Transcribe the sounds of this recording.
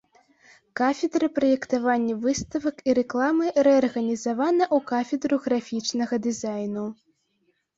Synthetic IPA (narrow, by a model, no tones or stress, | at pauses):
kafʲɛd̪ɾɨpɾɐjɛkt̪avanʲːɐvɨst̪ɐvɐkiɾɛklˠamɨɾɛɐrɣɐnʲizavanɐʔukafʲɛd̪ɾuɣɾafʲit͡ʂnɐɣɐd̪ɨzajnu